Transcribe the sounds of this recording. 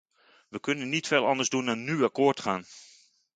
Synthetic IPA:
ʋəkɵnənːitfeːlˠɑndəɹzdunanːyakʊːɹtχaːn

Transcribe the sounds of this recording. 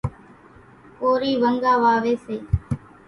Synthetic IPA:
koːɾiːʋəŋɡaːʋaːʋeːseː

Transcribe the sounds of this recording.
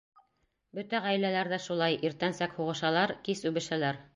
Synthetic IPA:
bɵt̪æʁæjlælæɾðæʃulˠɑjʔiɾt̪ænsækhuʁɤ̆ʃɑlˠɑɾkisʉβɘ̆ʃælæɾ

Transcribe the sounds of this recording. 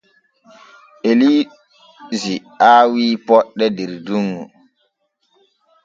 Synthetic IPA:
ʔeli | zi | aːwiːpɔɗːɛdeɾduŋɡṵ

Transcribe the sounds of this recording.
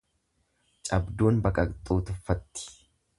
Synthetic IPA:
t͡ʃʼɐbd̪uːnbɐkʼɐkt̪ʼuːt̪ʊfːɐt̪ːɪ̥

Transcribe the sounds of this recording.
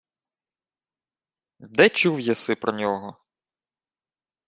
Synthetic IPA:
d̪ɛt͡ʃuwjɐsɪpɾɔnʲɔɦɔ

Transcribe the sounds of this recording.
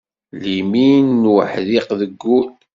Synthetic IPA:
liminːwə̰ħðiqðəɡːul

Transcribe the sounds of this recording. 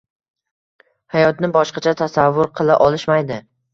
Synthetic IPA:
hajɒt̪nɪbɒʃqɑt͡ʃʰat̪ʰasavːʊɾqʰɨlˠaʔɒlˠɪʃmajd̪ɪ

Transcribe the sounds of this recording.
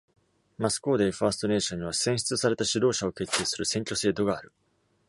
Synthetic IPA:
masɨ̥ko̞ːd̪eɸaːsɨ̥t̪o̞ne̞ːɕõ̞ɲ̟ːiβasẽɰ̃ɕi̥t͡sɨsaɾe̞t̪aɕiɾo̞ːɕao̞ke̞t̪ːe̞ːsɨɾɯ̟sẽ̞ŋkʲo̞se̞ːd̪o̞ɡaːɾɯ̟

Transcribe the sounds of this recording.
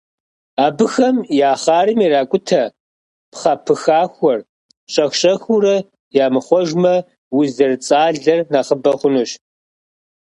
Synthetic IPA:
aːbɨxɐmjaːχɑːrɨmiɾaːkʷʼʊtʰɐ | pχɐpʰɨxaːxʷɔr | ɕʼɐxʷɕʼɐxurɐ | jaːmɨχʷɔʒmɐ | wʊzɐrt͡sʼaːɮɐrnaːχəbɐχʷʊnuɕ

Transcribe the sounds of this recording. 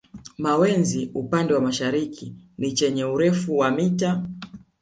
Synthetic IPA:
mawɛnziupandɛwamaʃaɾikʰinit͡ʃɛɲɛuɾɛfuwamita

